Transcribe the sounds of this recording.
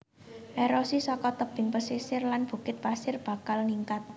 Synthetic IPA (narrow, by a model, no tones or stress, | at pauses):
ʔeɾosisɔkɔt̪əb̥ɪ̤ŋpəsisɪrlanb̥ṳkɪt̪̚pasɪrb̥a̤kalniŋkat̪̚